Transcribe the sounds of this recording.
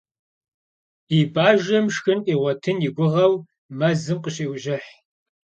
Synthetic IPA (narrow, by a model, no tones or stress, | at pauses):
ibaːʒɐmʂxɨnʔiːʁʷɔtʰɨnɪɡʷʊʁɐw | mɐzɨmqʼəɕeːwʒɪħ